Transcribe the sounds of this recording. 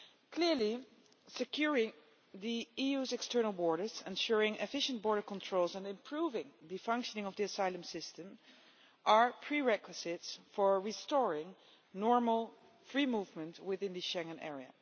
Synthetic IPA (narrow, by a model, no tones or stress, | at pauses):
kʰlɪɹli | sɨkʰjʊɹɪ̃ŋ | ðiijuzɛkstɜ˞nəl̩ˠbɔɹɾə˞zɛ̃nʃʊɹɪ̃ŋʔɪ̰fɪʃə̃ntb̥ɔɹɾə˞kɔ̃ntʰɹ̥oʊlˠzə̃nɪ̃mpʰɹ̥uvɪ̃ŋðɨfʌ̃ŋkʃənɪ̃ŋʌvðiɨsaɪlə̃msɪstə̃m | ʔəɹpʰɹiɹɛkwɨzɪtsfɔɹɹistɔɹɪ̃ŋ | nɔɹməl̩ˠ | fɹimuvmə̃ntwɪðɪ̃nðɨʃɛ̃ŋə̃nɛ̰ɹiə̰